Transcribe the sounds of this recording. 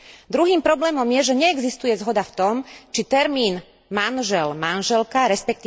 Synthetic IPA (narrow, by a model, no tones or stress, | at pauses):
d̪ɾuɦiːmpɾɔblɛːmɔmjɛʒɛɲɛːɡzist̪ujɛzɦɔd̪aft̪ɔmt͡ʃit̪ɛɾmiːn | manʒɛlmanʒɛlkaɾɛspɛk̚t̪i